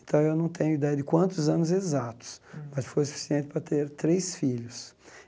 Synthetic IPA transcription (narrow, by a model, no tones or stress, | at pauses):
ẽnt̪ɐ̃w̃ewnɐ̃w̃t̪ẽɲʊid̪ɛjɐd̪ɪkwɐ̃nt̪ʊzɐ̃nʊzezat̪ʊ̥smɐsfojsu̥fi̥siẽnt̪ɪpɾɐt̪eɾt̪ɾesfiʎʊs